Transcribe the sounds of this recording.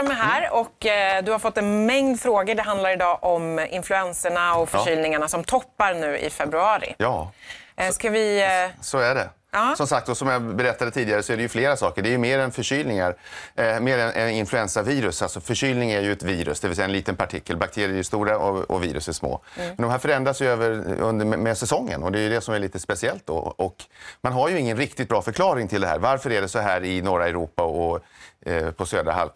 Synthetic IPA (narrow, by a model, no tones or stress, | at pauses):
mɛɦæːɾɔkːd̪ɵhaɾfɔt̪ːɛnmɛŋd̪fɾoːɡəɖɛɦand̪laɾɪd̪ɑːʔɔmɪ̰nflɵɛnsəɳaɔfœʂyːlnɪŋaɳasɔmt̪ʰɔpːaɾɳʉ̟ːʔɪ̰fɛbɾɵɑːɾɪ̰jɑːskavɪsɔæɖɛ | ɑːsɔmsak̚t̪̚d̪ɔsɔmjabɛɾɛt̪ːad̪ət̪ʰiːd̪ɪɡaɾəsɔæɖɛjɵfleːɾasɑːkəɖɛæjɵmeːɾɛnfœʂyːlnɪŋaɾmeːɾɛnʔɛnɪnflɵɛnsaviːɾɵsalsɔfœʂyːlnɪŋæɾjɵɛt̪viːɾɵ̰sd̪ɛvɪlsɛjaɛnliːt̪ənpʰaʈʰɪkʰːəlbak̚t̪ʰeːɾɪɛɾjɵst̪uːɾaɔɔ̰vḭːɾɵ̰sæʂmo̰ːmɛnd̪ɔmɦæːɾfœɾɛnd̪ɾasjɵøːvəɾɵ̰nd̪əmɛmɛsɛsɔŋːə̰nɔd̪ɛjɵd̪ɛsɔmæɭiːt̪əspɛsɪɛlt̪̚d̪ɔ̰ʔɔkmanɦaɾjɵɪŋːənɾɪk̚t̪ɪt̪̚bɾɑːfœɾkʰlɑːɾɪŋt̪ʰɪld̪ɛɦæ̰ːɾvaɾfœəɾæɖɛsɔɦæːɾɪnɔɾaɛɾuːpaɔ | pʰɔsøːd̪ɾa̰ɦa̰l